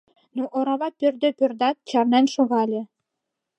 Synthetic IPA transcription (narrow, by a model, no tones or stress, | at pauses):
nuʔŏɾɑβɑpʲørd̪ɘ̆pʲø̆rd̪ɑt̪̚t͡ɕɑrnænʃŏɣɑlʲɘ̆